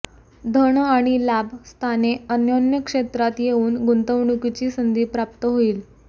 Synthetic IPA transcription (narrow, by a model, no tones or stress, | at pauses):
d̪ʱəɳaɽ̃ilabst̪ʰaneənjonjəkʂet̪ɾat̪jeuːnɡunt̪əʋɳukit͡ɕiːsənd̪ʱiːpɾap̚t̪əɦoiːl